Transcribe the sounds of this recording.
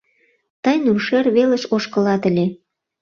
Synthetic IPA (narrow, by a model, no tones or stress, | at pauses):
t̪əjnurʃerβelə̆ʃoʃkə̆lɑt̪ə̆lʲe